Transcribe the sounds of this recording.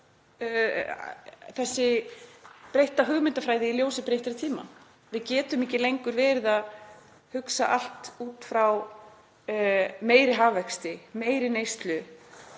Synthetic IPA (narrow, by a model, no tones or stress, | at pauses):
θɛsːɪ | pɾejht̪aɦʏːɣmɪnt̪afɾaːjðɪiljoːwsɪpɾejht̪aɾɪt̪ʰiːma̰ | vɪðcɛːt̪ʏmɛcɪlejŋkʏɾvɛːɾɪðað | hʏksa̰ʔal̥t̪uːt̪fɾaw | meːjɾɪɦaːvːɛkst̪ɪmeːjɾɪnejst̪lʏ